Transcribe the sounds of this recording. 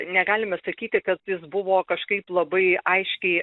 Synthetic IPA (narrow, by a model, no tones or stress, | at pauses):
nʲɛɡɑːlʲɪmɐsɐkʲiːt̪ʲɪkɐt̪jɪsbʊʋoːkɐʃkɐɪplˠɐbɐɪɐɪʃʲkʲɛɪ